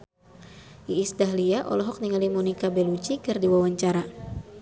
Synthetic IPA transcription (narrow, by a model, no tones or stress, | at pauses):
ʔiːsdaɦliaʔɔ̰lɔɦɔk̚niŋalimonikabelut͡ʃikɨrdiwawaɲt͡ʃaɾa